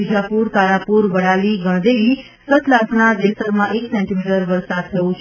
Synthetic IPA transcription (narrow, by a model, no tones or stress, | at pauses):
id͡ʒapuɾkaɾapuɾʋəɽaliɡəɽ̃d̪eʋi | sət̪lasnad̪esəɾmãʔeksɛɳʈimiʈəɾʋəɾsad̪̚t̪ʰəjõt͡ʃʰ